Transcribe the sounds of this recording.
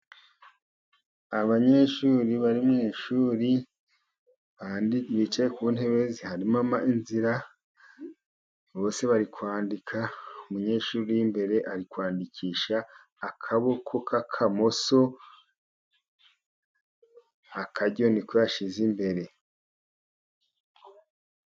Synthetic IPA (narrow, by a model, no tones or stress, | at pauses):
aβaɲe̞ʃuːɾiβaɾimŋiːʃuːɾi | aβit͡ʃajekuun̥he̞βezihaɾimamaʔinziɾa | βo̞ːse̞βaɾikwaːndikʰaumuɲe̞ːʃuːɾijimbe̞ɾe̞ʔaɾikwaːndikʰiːʃaː | kʰaβokʰokʰakʰamo̞so̞ | akʰaɟo̞nikweaʃizimbe̞ɾe̞